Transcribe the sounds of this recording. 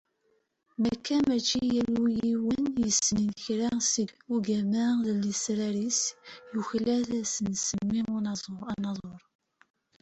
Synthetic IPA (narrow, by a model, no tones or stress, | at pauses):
mækːæmæt͡ʃːijælujiwənjəsːəninçɾasəduɡæmæðəlisɾaɾisjuçlæθæsənsəmːiʊnɑzˤɑnɑzˤoɾˤ